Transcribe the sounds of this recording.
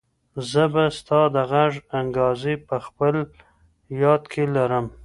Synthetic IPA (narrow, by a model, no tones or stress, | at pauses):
zəbast̪ɑd̪əɣaʐaŋɡɑzepəxpəl | jɑd̪kʰelaɾəm